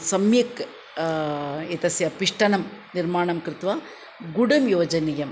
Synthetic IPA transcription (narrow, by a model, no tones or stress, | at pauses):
sɐmjɐk | ɛt̪ɐsjɐpɪʂʈɐnɐmnɪɾmaːɳɐmkɾɪt̪ʋaː | ɡʊɽɐmjoːd͡ʒɐnɐjɐm